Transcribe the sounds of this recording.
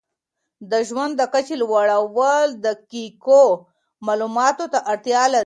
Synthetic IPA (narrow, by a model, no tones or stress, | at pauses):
d̪əʒwand̪ːəkat͡ʃelwaɽawəld̪əkiko | mɑlumɑt̪ot̪aʔaɽt̪jɑla